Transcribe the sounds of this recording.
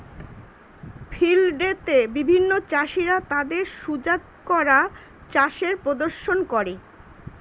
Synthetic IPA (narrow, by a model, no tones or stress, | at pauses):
fʰilɖet̪ebibʱinːot͡ɕaʃiɾat̪ad̪eɾʃud͡ʑat̪kɔɾa | t͡ɕaʃeɾpɾod̪oɾʃonkoɾe